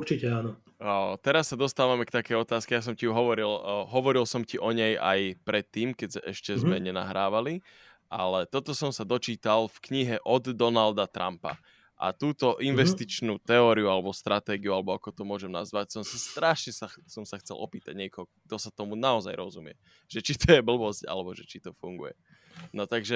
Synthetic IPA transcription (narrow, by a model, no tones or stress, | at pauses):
uɾt͡ʃicɛaːnɔ | t̪ɛɾasːad̪ɔst̪aːʋamɛkt̪akɛjɔt̪aːskɛjas̬ɔmciuɦɔʋɔɾilɦɔʋɔɾilsɔmciʔɔɲɛja̰jpɾɛt̪ːiːmkɛɛʃcɛzmɛɲɛna̰ɦɾaːʋali | ʔa̰lɛt̪ɔt̪ɔsɔmsad̪ɔt͡ʃiːt̪alfkɲiɦɛʔɔd̪ːɔnald̪at̪ɾa̰mpa̰ | ʔa̰t̪uːt̪ɔʔinʋɛst̪it͡ʃnuːt̪ɛɔːɾiualɛbɔst̪ɾʔat̪ɛːɡiualɛbɔakɔt̪ɔmʊɔʒɛmna̰zʋacsɔmsast̪ɾaːʃɲɛsasɔmsaxt͡sɛ̰lʔɔ̰piːt̪aɟɲɪɛkɔɦɔ | d̪ɔsat̪ɔmunaɔza̰jɾɔzumɪɛ̰ | ʒ̥ɛt͡ʃit̪ɔjɛbl̩bɔsca̰lɛbɔʒɛt͡ʃit̪ɔfuŋɡṵjɛ̰ | nɔt̪aɡʒɛ